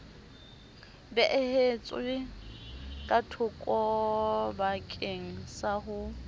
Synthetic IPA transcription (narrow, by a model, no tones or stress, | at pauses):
bɛʔɪhet͡sʼɪ | kʼatʰʊkʼɔbakʼeŋ̩saɦʊ